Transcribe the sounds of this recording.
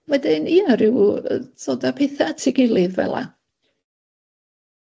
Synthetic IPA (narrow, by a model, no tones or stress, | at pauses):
wɛdɪniːnəɾɪwðoːdapʰeθatʰɪɡɪlˠɨðvɛ̰lˠa̰